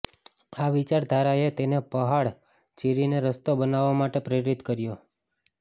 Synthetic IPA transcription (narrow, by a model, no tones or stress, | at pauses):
aʋit͡ʃaɾd̪ʱaɾaet̪enepəɦaɭ | t͡ʃiɾineɾəst̪obənaʋːamaʈepɾeɾit̪kəɾjo